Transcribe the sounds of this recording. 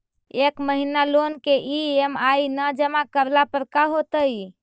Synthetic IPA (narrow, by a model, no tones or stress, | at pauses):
ekməɦinalonkeʔiemajnəd͡ʒəmakəɾlapəɾkaɦot̪əj